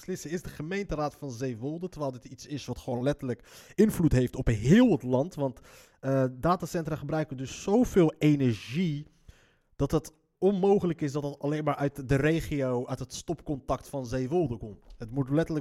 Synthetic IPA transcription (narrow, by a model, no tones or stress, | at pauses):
slɪsəɪzdəχəmejntəraːtfɑnzejʋɔlˠdətəʋɛːlˠdɪtitsɪsʋɑtχəʋownlɛtələkɪnvlutɦejftɔpnɦɪːlˠətlɑntʋɑnt | ədaːtaːsɛntraχəbrœɥkədɵsːowvɪːlˠejnɛɹʒi | d̥ɑtɦət | ɔnmowχələkɪsdɑtətɑlejnmaːɹœɥtdərejχiowœɥtɦətstɔpkɔntɑktfɑnzejʋɔlˠdəkɔmtɦətmutlɛtələ